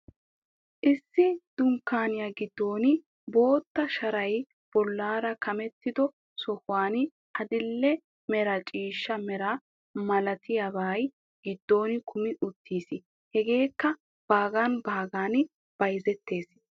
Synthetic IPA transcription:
ʔɪsːɪd̪̥ʊŋkːaːnɪjaɡɪd̪ːo̞ːnɪ | bo̞ːt̪ːɐʃɐɾɐj | b̥ɔlːaːɾɐkʰɐmɛt̪ːɪd̪ɔ | sɔhʊwaːnɪ | ʔɐd̪ɪlːɛ | mɛɾɐt͡ʃʼiːʃːɐmɛɾɐ | mɐlɐt̪ʰɪjabaːj | ɡ̥ɪd̪ːo̞ːnɪkʰʊmɪʔʊt̪ːiːsɪ | hɛɡe̞ːkːɐ | b̥aːɡaːnbaːɡaːnɪ | b̥ɐjzɛt̪ːe̞ːs

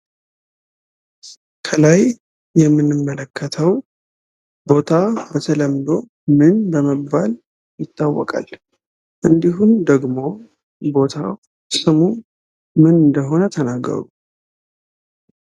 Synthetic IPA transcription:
kʰəlaj | jɛmːɨnːɨmːələkʰːət̪ʰəw | bo̞t̪ʰabət̪ʰələmd̪o̞ | mɨnbəməbːal | jɪt̪ːawːɔ̰kʼa̰l | ʔɨnd̪iɦund̪əɡmo̞ | bo̞t̪ʰa | sɨmu | mɨnɨnd̪əɦo̞nət̪ʰənaɡːə̰ɾu

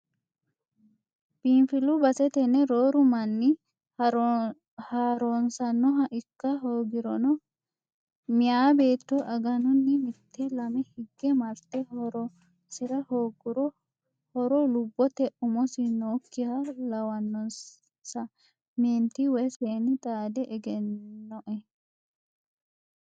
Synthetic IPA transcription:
b̥infɪlʊbɐsɛt̪ɛnːɛɾoːɾʊmɐnːɪ | haːɾonsɐnːɔɦɐʔɪkːɐɦoːɡɪɾɔnɔ | mɪjaːbe̞ːt̪ːɔʔɐɡɐnʊnːɪmɪt̪ːɛlɐmɛhɪɡːɛmɐɾt̪ːɛɔɾɔ | sɪɾɐhoːɡʊɾɔ | hɔɾɔlʊbːɔt̪ɛʔʊmɔsɪnoːkːɪhɐlɐwɐnːɔn | sɐ | meːnt̪ːɪwɛseːnɪt̪ʼaːd̪ɛʔɛɡɛnːɔʔɛ

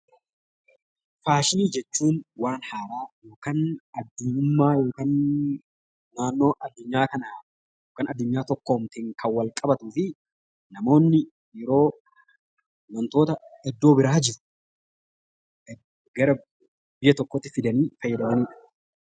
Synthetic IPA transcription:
faːʃɪniːd͡ʒɛt͡ʃːuːnwaːnhaːɾaːjo̞ːkaːnɐd̪ːʊɲːʊmːaːjo̞ːkɐn | aːnːo̞ːʔɐd̪ːʊɲːaːkɐnaː | jjoːkɐːnɐd̪ːʊɲːaːt̪ɔkːoːmt̪ɪːŋkʰɐnwːɐlkʼɐbɐt̪ʊfɪ | nɐmo̞ːnːɪ | jɛɾo̞ː | wɐnt̪o̞ːt̪ɐɛd̪ːo̞ːbɪɾaːd͡ʒɪɾʊ̥ | ɡɐɾɐ | bɪjːɐt̪ɔkːoːt̪ːɪfɪd̪ɐniːfɐjːɐd̪ɐmɐniːᶑɐ̥

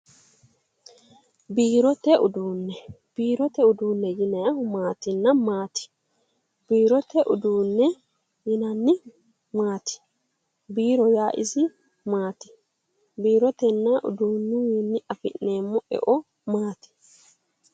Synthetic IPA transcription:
biːɾɔt̪ɛʔʊd̪uːnːɛb̥iːɾɔt̪ɛʊd̪uːnːɛjɪnɐjɐmaːt̪ɪnːɐmaːt̪ɪ̥ | biːɾɔt̪ɛʔʊd̪uːnːɛ | jɪnɐnːɪ | maːt̪ɪ̥ | biːɾɔjaːʔɪ̰sɪ | maːt̪ɪ̥ | biːɾɔt̪ɛnːɐʔʊ̰d̪uːnːʊjɛnːɪʔɐfɪnneːmːɔʔɛ̰ʔɔ | maːt̪ɪ̥

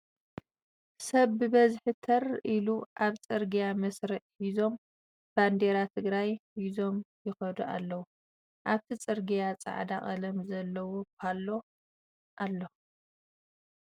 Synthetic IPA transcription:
sɐβːɨbɐzħɨt̪ʰɐrʔiluʔaβt͡sʼɨɾɡijamɐsɾɨʔhizo̞m | b̥and̪eɾat̪ʰɨɡɾajhizo̞mjɪxɐd̪uʔa̰lːɐwu | ʔaβt̪ʰit͡sʼɨɾɡijat͡sʼa̰ʕd̪aχʼɐlɐmzɐlːɐwopʰalːo̞ | ʔalːo

